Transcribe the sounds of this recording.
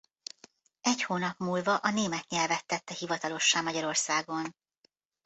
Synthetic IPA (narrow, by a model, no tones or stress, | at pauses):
ɛchoːnɒpmuːlvɒʔɒneːmɛt̪ɲɛlvɛt̪ːɛt̪ːɛhivɒt̪ɒlo̞ʃːaːmɒɟɒɾo̞rsaːɡo̞n